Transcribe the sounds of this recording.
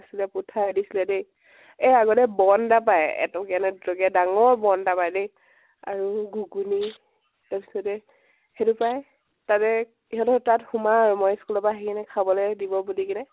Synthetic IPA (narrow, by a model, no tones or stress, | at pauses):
asilɛputʰadisilɛdej | ɛaɡɔtɛbɔndapajɛ̰tɔkianɛɔɡɛdaŋɔɹbɔndapajdej | a̰ɹuɡuɡuni | taɹpisɔtɛ | hetupaj | tatɛ | iɦɔtɔtathumaɹɔmɔjskulɔpaɦikinɛkʰabɔlɔjdibɔbulikinɛ